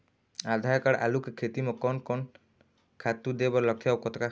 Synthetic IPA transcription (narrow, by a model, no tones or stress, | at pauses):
ad̪ʱajɔkaɽʔa̰lukkʰet̪imɔkɔnkɔn | kʰat̪ud̪ebɔɾlɔk̚t̪ʰjawkɔt̪ʰɔka